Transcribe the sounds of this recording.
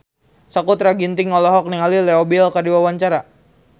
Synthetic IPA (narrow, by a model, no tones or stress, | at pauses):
sakut̪ɾaɡint̪ɪŋːɔlɔɦɔk̚niŋalilɛobilkardiwawaɲt͡ʃaɾa